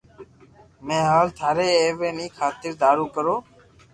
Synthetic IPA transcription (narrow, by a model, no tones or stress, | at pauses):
mẽːɦaːlt̪ʰaːɾeːeːʋeːnĩːkʰaːt̪ɪɾd̪aːɾuːkəɾoː